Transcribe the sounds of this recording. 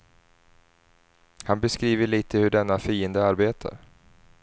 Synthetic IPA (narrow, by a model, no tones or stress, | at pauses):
hanbɛskɾiːvəɭiːt̪ʰəhɵɖɛnːafiːənd̪əaɾbeːt̪ʰa̰ɾ